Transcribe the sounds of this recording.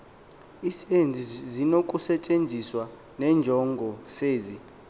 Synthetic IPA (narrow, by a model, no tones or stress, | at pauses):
isend͡zʱizinokʼusɛt͡ʃʼend͡zʱiswa | nɛnd͡ʒʱɔŋɡʱɔseːzi